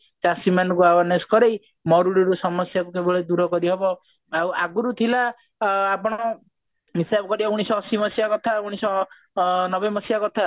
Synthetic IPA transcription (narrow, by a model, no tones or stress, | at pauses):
t͡ʃasimanɔkuabaneskɔɾej | mɔɾuɽiɾusɔmɔsjakukebɔɭed̪uɾɔkɔɾiɦebɔ | awaɡuɾut̪ʰilaː | pɔɽ̃ɔ | misabɔkɔɾibauɽ̃isɔːsimɔsijakɔt̪ʰauɽ̃isɔ | nɔbemɔsijakɔt̪ʰa